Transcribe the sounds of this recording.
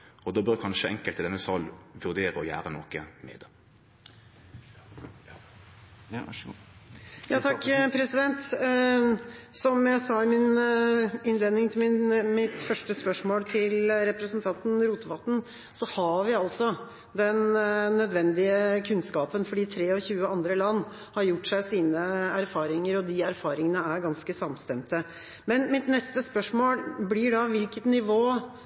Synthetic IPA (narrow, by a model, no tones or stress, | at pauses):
ɔd̪oːbœkʰɑnʂəɛŋkəlt̪d̪ɛnːəsɑlʋʉʁd̪eːɾəɔjæ̰ːɾənɔkəmḛːd̪ə | jɑːt̪ʰɑkːpʰɾɛsɪd̪ɛnt̪ | sɔmjæɪsɑɪmɪn | ɪnleːd̪nɪŋt̪ʰɪmɪt̪fœʂʈəspœʂmoːlt̪ʰɪlɾɛpɾəsənt̪ʰɑnt̪n̩ɾuːt̪əʋɑt̪ːn̩ | sɔhɑʋɪɑlt̪sɔ | d̪ɛnːœd̪ʋɛnd̪ɪəkʰʉnskɑːpənfɔɖiːt̪ʰɾeːɔçʉːəɑnd̪ɾəlɑnː | hɑɾjʊʈːʂæɪsiːnəæɾfɑːɾɪŋəɾɔd̪ɪæɾfɑːɾɪŋənəæɾɡɑnskəsɑmst̪ɛmt̪ə | mɛnmɪt̪nɛst̪əspœʂmoːlblɪɖɑʋɪlkət̪nɪʋoː